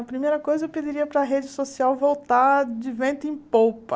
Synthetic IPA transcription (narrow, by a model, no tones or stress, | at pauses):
ɐpɾimejɾɐkojzɐewped͡ʒiɾiɐpɾɐɦed͡ʒɪsosiawvowt̪ad͡ʒɪvẽnt̪ʊẽj̃powpɐ